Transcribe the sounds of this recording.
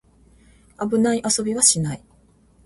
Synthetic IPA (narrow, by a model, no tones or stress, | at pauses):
abɯ̟naiʔaso̞bʲiβaɕinai